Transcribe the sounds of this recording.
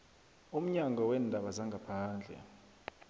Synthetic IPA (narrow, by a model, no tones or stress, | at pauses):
um̩ɲaŋɡɔwɛndʱaɓazaŋɡʱapʰaːnd͡ɮʱɛ̰